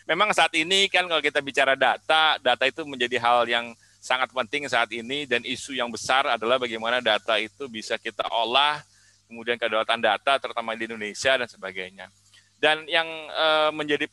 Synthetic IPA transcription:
memaŋsaat̪inikankalokit̪abit͡ʃaɾadat̪adat̪ait̪uməɲd͡ʒadiɦaljaŋ | saŋat̪̚pənt̪ɪŋsaːt̪inidanisujaŋbəsaradalahbaɡajmanadat̪ait̪ubisakit̪a̰ʔolah | kəmudiankədalat̪andat̪at̪əɾut̪amadiːndonesiadansəbaɡajɲa | danjaŋəːməɲd͡ʒadi

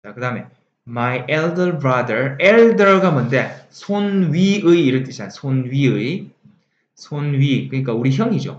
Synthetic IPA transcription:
t͡ɕakɯdaɯme̞ | majʔeɭdʌɭbɾadəɾeɭdʌɭɡamʌnde̞sʰonɥiɯjːɾɯt͈iɕasʰonɥiɯj | sʰonɥikɯɲik̬͈auɾiçjʌŋid͡ʑo̰

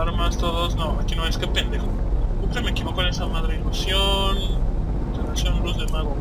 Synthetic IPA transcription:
aɾmast̪oðosnoakinoajskepend̪exo | ukɾemekiβokonesamaðɾeilusjon | relasjonbɾuzðemaɣo

